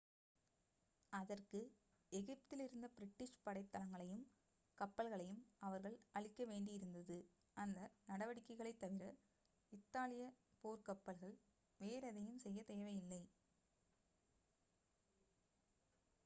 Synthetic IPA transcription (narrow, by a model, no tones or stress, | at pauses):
ɐðɐrkɯ | ɛɣɪp̚t̪ɪlɪɾɯnd̪ɐbɪɾɪʈːɪʂpɐɽɐɪt̪ːɐlɐŋɡɐɭɐjɯm | kɐpːɐlɣɐɭɐjɯmɐʋɐɾɣɐɭɐɭɪkːɐʋeːɳɖɪjɪɾɯnd̪ɐðɯ | ʔɐnd̪ɐnɐɽɐʋɐɽɪkːɐɪɣɐɭɐɪt̪ːɐʋɪɾɐ | ɪt̪ːaːlɪjɐ | poːɾkɐpːɐlɣɐɭ | ʋeːɾɐðɐjɯmsɛjːɐt̪eːʋɐjɪlːɐɪ